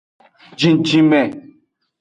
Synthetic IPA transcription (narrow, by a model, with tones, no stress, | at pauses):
d͡ʒĩ˨n˨d͡ʒi˦mɛ˨